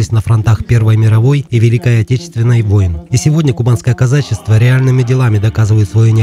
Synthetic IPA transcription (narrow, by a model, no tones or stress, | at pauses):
ɪsʲnəfɾɐnt̪axpʲe̞rvəjmʲɪɾɐvo̞jivʲɪlʲikajɐtʲet͡ɕɪ̥st̪vʲɪnːəjvo̞jɪnisʲɪvo̞dʲnʲəkʊbanskəjəkɐzat͡ɕːɪst̪vəɾʲɪalʲnɨmʲɪdʲɪlˠamʲɪd̪ɐkazɨvəjɪt̪svɐjonʲɪ